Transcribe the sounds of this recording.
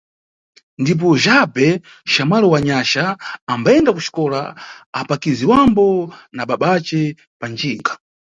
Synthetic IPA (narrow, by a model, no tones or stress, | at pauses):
ndip̬ɔʒabɛ | ʃamwalɔwaɲaʃaːmbaɛndakut͡ʃi̥kɔla̰apakiziwambɔnaɓaɓat͡ʃɛ | pand͡ʒiːŋɡḁ